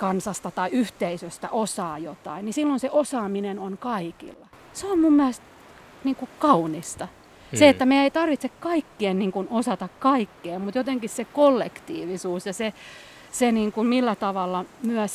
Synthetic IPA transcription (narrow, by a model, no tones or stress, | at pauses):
kɑnsɑst̪ɑt̪ɑiyht̪eisøst̪æ̰ʔosɑːjot̪ɑ̰innisilːonseʔosɑːminenonkɑikḭlːɑ | seommumːæst̪ | niːŋkukɑunist̪ɑ | seet̪ːæmeieit̪ɑrʋit̪sekkɑikːienniːŋkunosɑt̪ɑkkɑikːeːmmut̪jot̪eŋkissekolːekt̪ḭːʋisuːsjɑse | seniːŋkummilːæt̪ɑʋɑlːɑmyæ